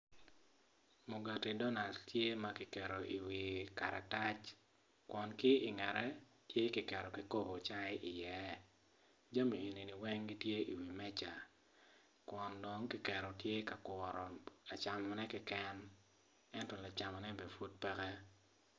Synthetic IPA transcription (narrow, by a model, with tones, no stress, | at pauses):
mu˨ɡa˨ti˨dɔ˦na˨ldtje˦ma˦kɪ˨kɛ˨ɾo˨ʔi˨wi˨ka̰˨ɾa˨ta˦t͡ʃ | kwɔ˨nkɪ˦i˨ŋɛ˨ɾɛ˦ | tje˦kɪ˨kɛ˨ɾɔ˨ki˨ko˦bo˨t͡ʃa˦ɪ˦ʔi˨jɛ˨˦ | d͡ʒa˦mi˨ju˨ni˨ni˨wɛ˦ŋɡi˦tje˦i˨wi˨mɛ˦t͡ʃa̰˨ | kwɔ˨ndɔ˦ŋkɪ˨kɛ˨ɾo˨tje˦ka˨kwɔ˨ɾɔ˨a˨t͡ʃa˨mɔ˨nɛ˦kɪ˦kɛ˦n | ɛ˦ntɔ˨la˨t͡ʃa˨mɔ˨nɛ˦bɛ˨fu˦t̚pɛ˦kɛ˦